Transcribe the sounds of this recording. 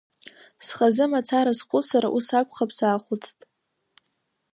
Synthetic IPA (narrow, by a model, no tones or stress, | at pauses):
sχazɨmat͡sʰaɾasqʷʰʼʊsaɾa̰ʔusakʷʰʼχapʰsaːχʷʊt͡sʰtʼ